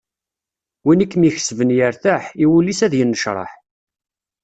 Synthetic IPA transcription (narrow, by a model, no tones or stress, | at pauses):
winikːmiçə̥svənjəɾθæħiwulːisæðjənːəʃɾˤɑ̰ħ